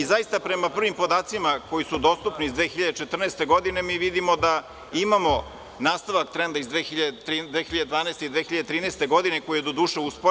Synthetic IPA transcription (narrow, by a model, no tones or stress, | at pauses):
izajist̪apɾe̞mapr̩ʋimpo̞d̪aːt̪simako̞jisud̪o̞st̪upniizd̪ʋeːxiʎad̪et͡ʃet̪r̩neːst̪e̞ɡo̞d̪ine̞miːʋid̪imod̪a | imamo̞ | naːst̪aʋak̚t̪ɾend̪aizd̪ʋexiʎad̪t̪ɾid̪eːxiʎad̪ed̪ʋaːneːst̪eid̪ʋeːxiʎad̪et̪ɾiːneːst̪e̞ɡo̞d̪inekojijed̪od̪uːʃeuspo